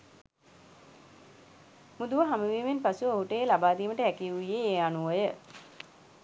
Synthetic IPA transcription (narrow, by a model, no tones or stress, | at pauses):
mud̪uʋəɦaməʋiːmenpasuoɦuʈəjelabaːd̪iːməʈəɦɛkiuijeeːanuojə